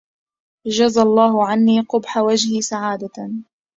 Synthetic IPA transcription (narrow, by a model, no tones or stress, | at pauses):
d͡ʒazalˤːɑːɦʊʕanːiːqʊbħawad͡ʒhisaʕaːd̪a